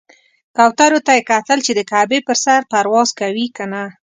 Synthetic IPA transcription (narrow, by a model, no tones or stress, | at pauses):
kawt̪aɾot̪ajekat̪əlt͡ʃed̪əkabepəɾsaɾpaɾwɑzkawikana